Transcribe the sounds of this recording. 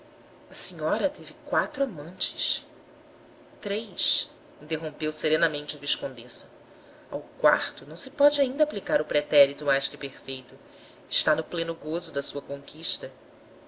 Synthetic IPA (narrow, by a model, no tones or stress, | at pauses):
ɐsiɲɔɾɐt̪evɪkwat̪ɾʊamɐ̃nt͡ʃɪ̥s | t̪ɾejʃs | ĩnt̪eɦõpewseɾẽnɐmẽnt͡ʃɪɐviʃkõnd̪esɐ̥ | a̰wkwa̰χt̪ʊnɐ̃w̃sɪpɔd͡ʒɪaĩnd̪aplikaɾʊpɾet̪ɛɾit̪ʊmajskɪpeɾfejt̪ʊ | ɪʃt̪anʊplẽnʊɡozʊd̪ɐsuɐkõŋkiʃt̪ɐ